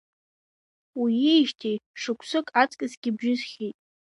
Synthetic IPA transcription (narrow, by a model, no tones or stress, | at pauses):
wiejʃtʰejʂɨkʷʰsɨkʼat͡sʼkʲʼɪzɡʲɪbʒɪzχʲejtʼ